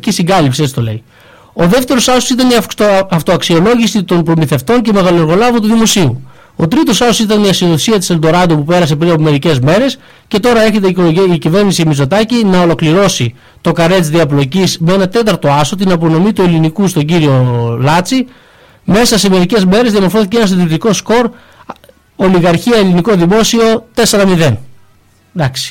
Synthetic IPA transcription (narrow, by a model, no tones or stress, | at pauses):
cisiŋɡɐlipsiet͡ssi̥t̪o̞le̞̰i | o̞ðe̞ft̪e̞ɾo̞sɐsosit̪ɐniɐɐft̪oɐksio̞lo̞ʝisit̪o̞npɾo̞miθe̞ft̪o̞nce̞me̞ɣɐloɾɣo̞lɐvot̪uðimo̞siu | o̞t̪ɾit̪o̞sɐsosit̪ɐniɐsioðoθisiɐt̪iseld̪o̞ɾɐd̪opupe̞ɾɐse̞pɾiɐpome̞ɾice̞zme̞ɾe̞s | ce̞t̪o̞ɾɐe̞çe̞t̪̬eikoloiicive̞ɾnisimizo̞t̪ɐcinɐo̞lo̞kliɾo̞si | t̪o̞kɐɾe̞t̪t͡sðiɐplo̞cismee̞nɐt̪e̞t̪ɐɾt̪o̞ɐso̞t̪̬inɐpo̞no̞mit̪ue̞linikust̪o̞ɲɟiɾio̞lɐt͡si | me̞sɐse̞me̞ɾice̞zme̞ɾezðiɐmoɾfo̞θiceenɐst̪ɐt̪iɾit̪iko̞sko̞ɾ | o̞liɣɐɾçiɐeliniko̞ðimo̞sio̞t̪e̞seɾɐmiðe̞n | d̪ɐksi̥